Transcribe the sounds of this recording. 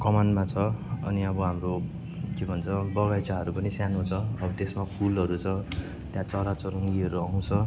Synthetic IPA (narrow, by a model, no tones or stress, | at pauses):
kʌmanmat͡sʰʌʌ̰niʌbʌɦamro | kebʱʌnt͡sʰʌbʌɡajt͡saɦʌɾupʌnisjanõt͡sʰʌːbʌt̪esmapʰulɦʌɾut͡sʰʌ | t̪jãt͡sʌɾat͡sʌɾoŋɡiʌɾuʌw̃t͡sʰʌ